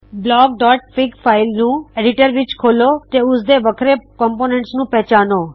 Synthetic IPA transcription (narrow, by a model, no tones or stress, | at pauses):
blɔːɡ̚ɖɔːʈ̚pɪɡpʰaːɪlnũːeːɖɪʈəɾʋɪt͡ʃkʰoːlot̪eʊsd̪eʋəkʰɾekɔmponẽɳʈsnũːpɛɦt͡ʃaːnoː